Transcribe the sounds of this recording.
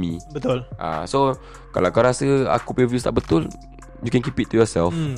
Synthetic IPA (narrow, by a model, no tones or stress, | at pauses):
mĩbət̪ʊlʔa̰so | kalaakaɾasəa̰kupivust̪a̰ʔbət̪ʊl | jukɛ̃nkipit̪̚ːujɔsɛlf